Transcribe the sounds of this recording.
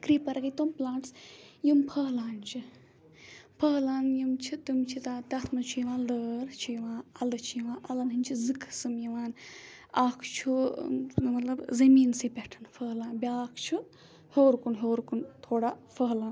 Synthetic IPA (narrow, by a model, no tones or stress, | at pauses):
kɾiːpɐɾɐkɐt̪omplãːɳʈsjumpʰəːlaːnt͡ʃʰi | pʰəɦlaːnjimt͡ʃʰit̪umt͡ʃʰit̪at̪ɐt̪ʰnɐt͡ʃʰujiʋãːləɾt͡ʃʰujiʋãːɐlɨt͡ʃʰujiʋãːʔɐlɐnɦɨnʲt͡ʃʰizɨkʰsɨmjiʋaːnaːkʰt͡ʃʰu | mɐt̪lɐbzɐmiːnsipʲɐʈʰɐnfʰəɦlaːnbʲaːkʰt͡ʃʰu | hoːɾkunɦoːɾkunt̪ʰoːɽafəɦlaːn